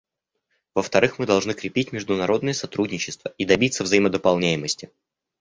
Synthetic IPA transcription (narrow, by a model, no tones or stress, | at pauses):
vəft̪ɐɾɨxmɨd̪ɐlˠʐnɨkɾʲɪpʲitʲmʲɪʐd̪ʊnɐɾo̞d̪nɨjəsɐt̪ɾudʲnʲɪt͡ɕːɪst̪vəid̪ɐbʲit̪səvzɐjɪməd̪əpɐlˠnʲæjɪməsʲtʲɪ